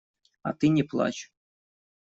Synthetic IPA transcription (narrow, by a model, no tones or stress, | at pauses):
a̰t̪ɨnʲɪplˠa̰t͡ɕ